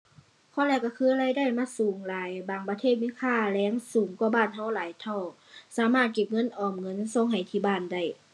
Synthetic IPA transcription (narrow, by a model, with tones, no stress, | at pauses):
kʰɔː˧˦lɛː˧˩˨kːa˧˩kʰɯː˧˥˨la˧˥˨jda˥˨jmaː˧˥˨suː˨˦ŋlaː˨˦jbaː˨˩ŋpa˧t̪ʰeː˥˩t̪̚miː˧˥˨kʰaː˧˥˨lɛː˧˥ŋsuː˨˦ŋkɔ˧baː˧˥˩nɦa˧˥˩wlaː˨˦jt̪ʰɔ˧˩w | saː˨˦maː˧˥˩t̪̚ke˧˩p̚ŋɤ˧˥˨nʔɔː˧˩mŋɤ˧˥˨nso˧˨ŋɦa˨˩jt̪ʰiː˧˩baː˧˩˨nda˧˩j